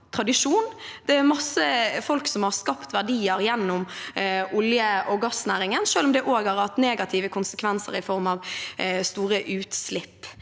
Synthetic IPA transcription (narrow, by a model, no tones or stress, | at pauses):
t̪ʰɾɑd̪ɪʂuːnd̪̥ɛæmɑsːəfɔlksɔmhɑʁskɑpt̪ʋæʁɖiːəɾjɛnːʊmʔʊljəʔɔɡɑsnæːɾɪŋənʃøːlɔmd̪ɛʔoːɡhɑɾhɑt̪neːɡɑt̪ʰiːʋəkʰʊnsəkʰʋɛnsə̰ɾɪfɔɾmɑʋst̪uːɾəʔʉːt̪slɪpː